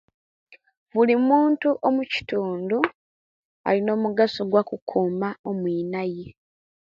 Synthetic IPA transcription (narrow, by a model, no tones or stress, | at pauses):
βulimuːntuʔomuci̥tuːndu | a̰lino̞ːmuɡasoɡwakukʰuːmao̞mwiːnaje